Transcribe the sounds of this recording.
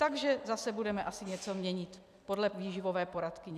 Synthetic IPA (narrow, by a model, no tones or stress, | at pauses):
t̪aɡʒɛzasɛbudɛmɛʔasɪɲɛt͡so̞mɲɛɲɪt̪ | po̞dlɛviːʒɪvo̞vɛːpo̞ɾat̪kɪɲɛ